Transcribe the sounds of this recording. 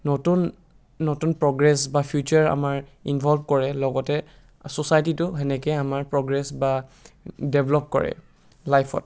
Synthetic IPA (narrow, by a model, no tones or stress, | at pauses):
nɔtunː | ɔtunpɹɔɡɹɛsbapʰjut͡ʃaɹa̰maɹḭnbʱɔlbʱkɔɹɛlɔɡɔtɛ | sɔsajtitʊɦɛnɛkɛamaɹpɹɔɡɹɛsba | deblɔp̚kɔ̰ɹɛ̰ | lajpʰɔ̰t̚